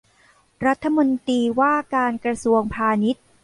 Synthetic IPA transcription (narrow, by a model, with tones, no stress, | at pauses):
ɾa˦˥t̪ʰːa˧mo˧nt̪ɾiː˧waː˥˩kaː˧nkɾa˧su˧əŋpʰaː˧ni˦˥t̪̚